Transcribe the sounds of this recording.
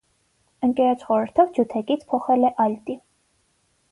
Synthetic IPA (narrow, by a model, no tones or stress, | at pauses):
əŋkɛɾɑt͡ʃʰχɔɾəɾt̪ʰɔvd͡ʒut̪ʰɛkit͡sʰpʰɔχɛlɛʔɑjlt̪i